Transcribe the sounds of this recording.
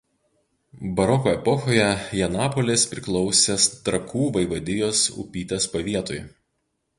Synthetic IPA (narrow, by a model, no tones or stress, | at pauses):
bɐɾɔkoːɛpɔxoːjɛjɛnɑːpɔlʲɪspʲɾʲɪklˠɔʊsʲest̪ɾɐkuːʋɐɪʋɐd̪ʲɪjoːsʊ̰pʲiːt̪ʲespɐʋʲiɛt̪oj